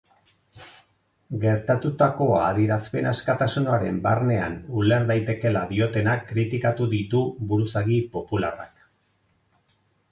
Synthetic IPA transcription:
ɡe̞ɾt̪at̪ut̪ako̞aðiɾaspe̞naskat̪asunoaɾe̞̰mbarne̞a̰nuleɾd̪ajt̪e̞ke̞laðio̞t̪e̞nakːɾit̪ikat̪uðit̪uβuɾusaɣipo̞pulara̰k

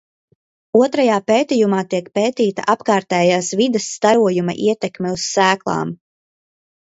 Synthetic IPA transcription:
uɔt̪ɾajaːpeːt̪ijumaːt̪iɛk̚peːt̪iːt̪a̰ʔapkaːɾt̪ɛːjaːsvid̪ɐsːt̪aɾuɔjumɐ̰ʔiɛt̪ɛkmʲɛussæːklˠa̰ːm

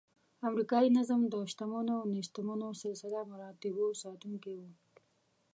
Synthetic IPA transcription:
amɾikɑinazamd̪əʃt̪amanonɪʃt̪ɪmanosɪlsɪlamaɾɑt̪ɪbosɑt̪uŋkewu

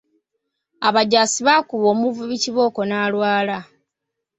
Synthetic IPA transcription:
aβaɟaːsiβakuβoːmuvuβiciβo̞ːko̞naːlwaːla

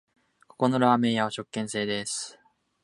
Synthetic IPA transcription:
ko̞̥ko̞no̞ɾaːmẽ̞jaβaɕo̞kːẽ̞ɰ̃se̞ːd̪esɨ̥

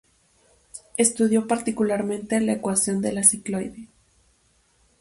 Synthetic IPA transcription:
e̞st̪uð̞jo̞paɾt̪ikulaɾmẽ̞nt̪elaekwasjo̞nd̪e̞lasiklo̞jði

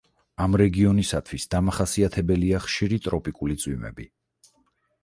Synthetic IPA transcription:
amɾɛɡiɔnisat̪ʰwisd̪amaχasiat̪ʰɛbɛliaχʃiɾit̪ʼɾɔpʼikʼulit̪sʼwimɛ̰bi

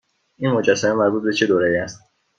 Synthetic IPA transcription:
ʔiːnmo̞d͡ʒæsːæmemæɾbuːt̪̚be̞t͡ʃʰed̪oːɾejiːæst̪̚

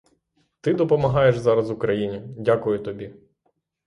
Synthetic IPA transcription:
t̪ɪd̪ɔpɔmɐɦɑjeʃzɑɾɐzwʊkɾɐjinʲidʲakʊjʊt̪ɔbʲi

